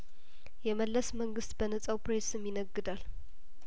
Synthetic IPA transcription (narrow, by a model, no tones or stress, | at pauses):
jɛməlːəsməŋɡɨst̪bənət͡sʼəwpɾesɨmjɪnəɡːɨd̪al